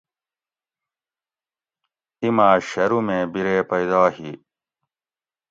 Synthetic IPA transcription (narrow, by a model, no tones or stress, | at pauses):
imaːɕɐɾumẽːbiɾeːpɐid̪aːhi